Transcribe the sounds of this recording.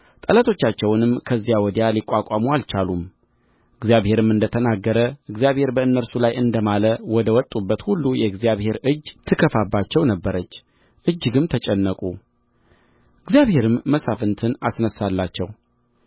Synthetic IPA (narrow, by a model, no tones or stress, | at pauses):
t̪ʼələt̪ʰo̞t͡ʃːat͡ʃːɛwnɨmkʰəzːijawɔd̪ijalikʷʼakʷʼamualt͡ʃalum | ɨɡzjaβhe̞ɾɨmɨnd̪ət̪ʰənaɡːəɾəʔɨɡzjaβhe̞ɾbəɨnːəɾsulajɨnd̪əmaləwɔd̪əwɔt̪ʼubːət̪hulːujɛɨɡzijaβhe̞ɾɨd͡ʒːt̪ʰɨkʰəfabːat͡ʃːɛwnəbːəɾət͡ʃː | ʔɨd͡ʒːɨɡɨmt̪ʰət͡ʃʼɛnːəkʼu | ʔɨɡzjaβhe̞ɾɨmːəsafɨnt̪ʰɨnasnəsalːat͡ʃːɛ̰w